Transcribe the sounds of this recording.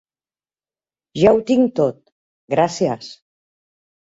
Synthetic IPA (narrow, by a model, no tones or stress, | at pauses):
ʒawt̪iŋt̪ot̪̚ | ɡɾasias